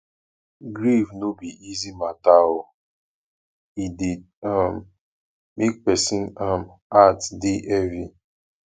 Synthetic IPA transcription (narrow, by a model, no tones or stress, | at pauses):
ɡɾivnobiizimataɦʊ | idid | am | mek̚pɛsĩnamatdeʔɛvi